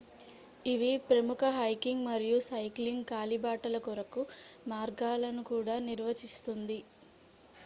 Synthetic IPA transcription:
iʋipɾɐmukɐɦɐjkiŋɡmɐɾijusɐjkliŋɡkaːlibaːʈɐlɐkɔɾɐkumaːɾɡaːlɐnukuːɽaːniɾʋɐt͡ʃist̪und̪i

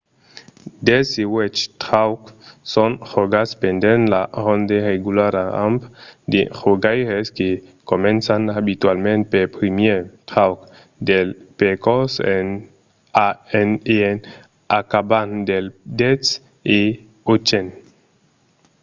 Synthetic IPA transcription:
d̪esewɛt͡ʃt̪ɾawksõnχoɡaspend̪enlaʁond̪ereɡulaɾaa̰mpd̪eχoɡajɾeskekomẽnsanabit̪walmẽnt̪̚peɾpɾimjet̪ɾawk | d̪elpekɔsen | aeneen | akaband̪eld̪ets | e | ot͡ʃen

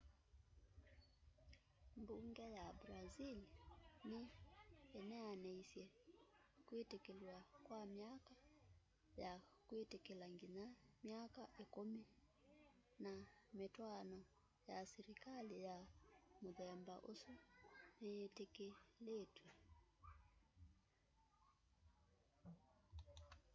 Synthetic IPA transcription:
mbuŋɡɛjabɾazilini | ɛnɛanɛisjɛ | kwetɛkɛluwakwamiaka | jakwetɛkɛlaŋɡinamiakaʔikumi | nametwanɔ | jasɛɾikalijamoðɛmbaʔosuneetekeletwɛ

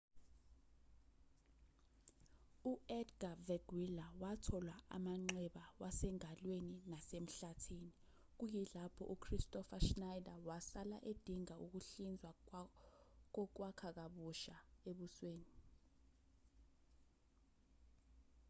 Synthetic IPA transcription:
uɛdɡavɛɡ̥wilawatʰɔlwaa̰maŋ͡ǀɛɓawasɛŋalweninasem̩ɬatʰiːni | k̬ujilapʰɔ̰ʔukʰristʼɔfaʃnajdawasalaʔed̥ʱiŋaʔuk̬uɬind͡zʱwa | k̬ɔk̬wakʰak̬aɓuʃaeɓusweːni

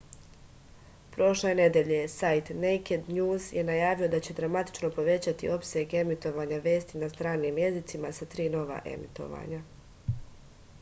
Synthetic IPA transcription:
pɾo̞ʃlˠeene̞d̪e̞ʎe̞sajt̪nejked̪ɲuːzje̞najaːʋio̞d̪at͡ɕe̞d̪ɾamat̪i̥t͡ʃno̞po̞ʋe̞t͡ɕat̪iʔo̞pseɡe̞mit̪o̞ʋaːɲaʋe̞ːst̪inast̪ɾaːniːmje̞zit̪simasat̪ɾiːno̞ʋa̰ʔe̞̰mḭt̪o̞̰ʋa̰ɲa

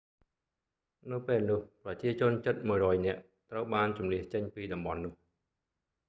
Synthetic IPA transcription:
nɨwpeːlnʊ̆əhprɑt͡ɕiət͡ɕʊ̆ənt͡ɕət̪̚muəjrɔːjnɛ̆əʔ | t̪rəwɓaːnt͡ɕumliəht͡ɕəɲpiːɗɑmɓɑnːʊ̆əh

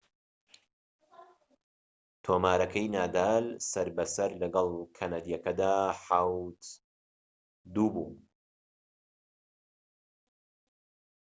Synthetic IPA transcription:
t̪ʰoːmaːɾɐkʰɐjnaːd̪aːlsɐɾbɐsɐɾlɐɡɐlˠkʰɐnad̪ijɐkɐd̪aːħawt̪ | d̪uːbuː

